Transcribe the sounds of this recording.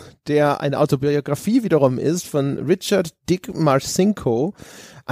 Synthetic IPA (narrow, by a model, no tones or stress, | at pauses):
d̥eːɐʔa̰ɪnəʔa̰ʊtobiioɡʁafiːviːdɐʁʊmʔɪ̰stfɔnʁɪt͡ʃɐɐtd̥ɪkmasɪŋkʰoʔa